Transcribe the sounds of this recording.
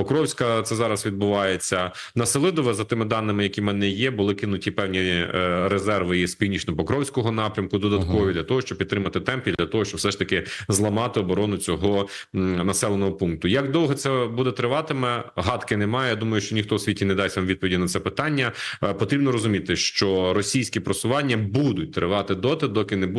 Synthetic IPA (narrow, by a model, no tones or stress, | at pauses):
pɔkɾɔwsʲkɐt̪sɛzɑɾɐsʋʲid̪̚bʊʋɑjet͡sʲːɐnɐsɪlˠɪd̪ɔʋɛzɐt̪ɪmɪd̪ɑnːɪmɪjɐkʲimɛnɛjɛbʊlˠɪkɪnʊtʲipɛwnʲiɾezɛrʋɪispʲiwnʲit͡ʃnɔpɔkɾɔwsʲkɔɦɔnɑpɾʲɐmkʊd̪ɔd̪ɐt̪kɔʋʲid̪lʲɐt̪ɔɦɔʃt͡ʃɔb̚pʲit̪ːɾɪmɐt̪ɪt̪ɛmpʲid̪llʲɐt̪ɔɦɔʃt͡ʃɔb̥wsɛʃt̪ɐkɪzlˠɐmɑt̪ɪɔbɔɾɔnʊt͡sʲɔɦɔ | nɐsɛlˠenɔɦɔpunk̚t̪ʊjɐkd̪ɔw̪ɦɛt̪sɛbud̪ɛt̪ɾɪʋɑt̪ɪmɛɦɑt̪kɪnɛmɑjɛjad̪umɐjʊʃt͡ʃɔnʲixt̪ɔwsʲʋitʲinɛd̪ɑsʲʋamʋʲid̪pɔʋʲidʲnɐt̪sɛpɪt̪ɑnʲːɐpɔt̪ɾʲibnɔɾɔzʊmʲit̪ɪʃt͡ʃɔɾɔsʲijsʲkʲipɾɔsʊʋɑnʲːɐbud̪ʊt̚ʲt̪ɾɪ̰ʋɑt̪ɪd̪ɔt̪ɪd̪ɔkɪnɛb